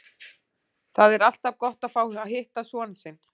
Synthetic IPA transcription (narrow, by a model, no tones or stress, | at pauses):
θaðɛɾal̥t̪avkɔht̪aðfaːwaɦɪht̪asvɔːnsɪn